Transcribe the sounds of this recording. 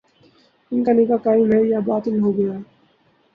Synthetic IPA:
ɪnkanɪkakaːɪmɦɛjabaːt̪ɪnɦoːɡɐjaː

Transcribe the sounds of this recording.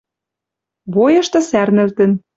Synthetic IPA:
βojɤ̆ʃt̪ɤ̆særnɘ̆lt̪ə̆n

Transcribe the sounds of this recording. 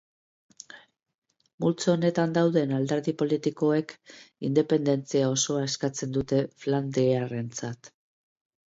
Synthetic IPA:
mult͡sone̞t̪and̪awðe̞nald̪e̞ɾðipo̞lit̪iko̞e̞kind̪e̞pe̞nd̪e̞nt͡siao̞so̞aeskat͡se̞nd̪ut̪e̞fland̪iare̞nt͡sat̪

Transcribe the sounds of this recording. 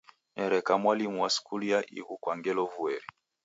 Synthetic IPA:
nɛɾɛkamwalimuwaskuliaʔḭɣukwaŋɡɛlɔvuɛɾi

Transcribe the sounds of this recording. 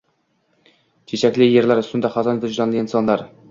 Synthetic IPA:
t͡ʃʰet͡ʃʰækʲlɪjeɾlæɾst̪ʊnd̪aχɑzɑnd̪ɪzd̪ɑnlˠɪnsɑnlˠɑɾ

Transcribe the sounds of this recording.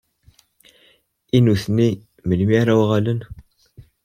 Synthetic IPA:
inuθni | məlmiæɾæwʁælən

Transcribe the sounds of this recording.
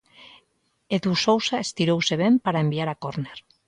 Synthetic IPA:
eðusowsaest̪iɾowseβempaɾaembiaɾakoɾneɾ

